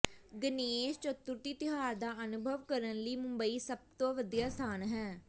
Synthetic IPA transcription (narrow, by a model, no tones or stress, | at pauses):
ɡəneːʃt͡ʃət̪ːʊɾt̪iːt̪ɪɦaːɾd̪aːʔənʊbʱəʋkəɾənləiːmʊmbəiːsəb̚t̪õːʋəd̪ijaːst̪ʰaːnɦɛː